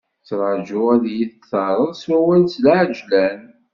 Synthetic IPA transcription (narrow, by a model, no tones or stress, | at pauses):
t͡sːɾˤd͡ʒʊæðjiθəθɑɾˤəðˤswæwælslʕəd͡ʒlæn